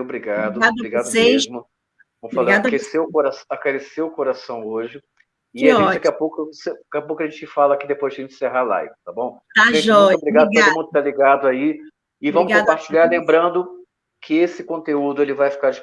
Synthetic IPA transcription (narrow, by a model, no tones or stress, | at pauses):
obɾiɡad̪ʊbɾiɡad̪ʊmezmʊ | vɐ̃mfaleãkeseʊkoɾasakaɾeseʊkoɾasɐ̃w̃oʒɪ | ɪaʒẽt͡ʃt͡ʃd̪akiapowkʊsekiapowkʊɐʒẽt͡ʃɪfalɐakid̪epojzẽt͡ʃseɦala̰jvɪt̪abõw̃ | aʒẽt͡ʃʒɔ̃t̪obɾiɡad̪ʊt̪oʊmũd̪ʊt̪aliɡad̪ʊai | ɪvɐ̃mʊskkõpaɾt͡ʃiʎaɾlẽmbɾɐ̃nd̪ʊ | kɪesɪkõt̪eud̪ʊelɪvajfi̥kaɾd͡ʒɪ